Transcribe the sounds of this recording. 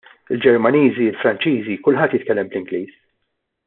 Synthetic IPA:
ɪld͡ʒɛɾmɐniːziɪlfɾɐnt͡ʃiːzikʊlħɐt̪ːjɪt̪kɛlːɛmblɪŋɡliːs

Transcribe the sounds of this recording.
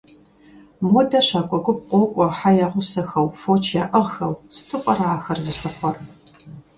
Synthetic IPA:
modɐɕaːkʷʼɔɡʷʊp̚qʷʼɔkʷʼɔħajaːʁʷʊsɐxɐwfoːt͡ʃʰjaːʔɐʁxɐwsɨ̥tʰɨqʷʼɐraaːxɐrzɨɬɨχʷɔr

